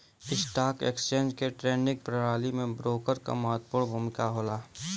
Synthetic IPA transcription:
ɪsʈaːkḛːkst͡ʃẽːnd͡ʒkeʈɾeːnɪ̃k̚pɾəɾaːlimẽbɾoːkəɾka̰maɦt̪pʊːɽbʱuːmɪkaɦoːlaː

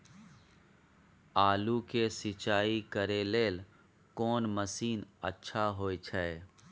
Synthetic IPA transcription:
aːlukesɪt͡ʃaːikəɾeleːl | kɔːnməsiːnə̰tːʃʰaɦoːit͡ʃʰɛe

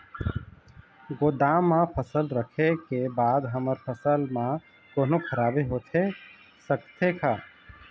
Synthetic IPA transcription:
ɡod̪amːãpʰəsəlɾəkʰekebaːd̪ɦəməɾpʰəsəlmã | koːnokʰəɾaːbeɦot̪ʰe | səkt̪ʰekʰa

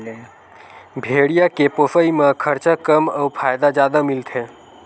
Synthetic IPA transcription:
bʱeːɽijakepofəimãkʰəɾt͡ʃakəməupʰaːjd̪ad͡ʒjaːd̪amilt̪ʰẽ

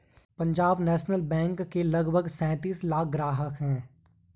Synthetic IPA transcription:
pɐ̃ɲd͡ʒaːbnɛːʃnəlbɛ̃ːŋkːelɐɡbʱəɡsɛ̃ːt̪iːslaːk̚ʰɡɾaːɦəkɦɛ̃ː

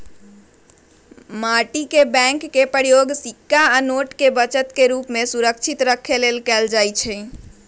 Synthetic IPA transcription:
maʈikebɛ̃ŋkːepəɾjoɡsikːaanoʈkebət͡ʃət̪keɾupmesuɾəkt͡ʃʰit̪ɾəkʰːelelkɛld͡ʒajt͡ʃʰɛ

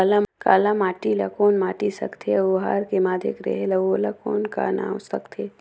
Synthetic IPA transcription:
alaka̰ːlamaːʈila̰koːnmaːʈisɐ̰kt̪ʰeoɦaːɾkemaːd̪ʱɪ̰kɾḛɦelɐʋoːlakoːnka̰nã̰ːmsɐkt̪ʰe

